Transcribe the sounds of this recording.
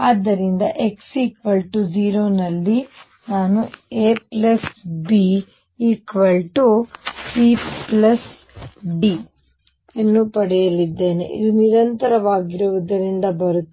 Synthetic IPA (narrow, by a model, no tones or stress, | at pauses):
aːd̪ːɐɾind̪ɐʔeksiːkʋɐlʈud͡ʒiːɾoːnɐlːi | naːnueːplɐsbi | iːkʋɐlʈupiplɐs | ɖi | enːuːpɐɽɛjɐlid̪ːe̞ːne̞̰ʔḭd̪uniɾɐnt̪ɐɾɐʋaːɡiɾuʋɐd̪ɐɾind̪ɐbɐɾut̪ːe